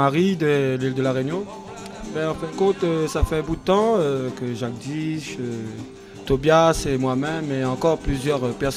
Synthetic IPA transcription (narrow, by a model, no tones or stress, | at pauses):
aʁid̪əlild̪əlaʁenjɔ̃ | bɛ̃ɑ̃fɛ̃d̪əkɔ̃t̪øsafɛɛ̃bud̪ət̪ɑ̃økəʒak̚d̪iʃø | t̪objasemwamɛmeɑ̃kɔʁplyzjœʁøpɛʁs